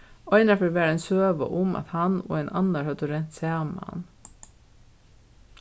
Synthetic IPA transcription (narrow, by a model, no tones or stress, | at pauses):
oɪnɑfəɾʋæːɾɛnsøːʋə̰ʔʊmʔɑ̰t̪hɑno̰ːeːnʔɑnəɾhœd̪əɾɛnt̪seːɑnmɑ̰ɑ̰n